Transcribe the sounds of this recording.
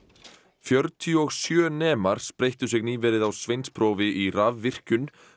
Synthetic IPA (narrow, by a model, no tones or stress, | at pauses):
fjœɾt̪ʰiɔɣsjœːnɛːmaɾ̥spɾejht̪ʏsɪɣniːvɛːɾɪðawsvejnspʰɾoːvɪʔiravvɪr̥cʏn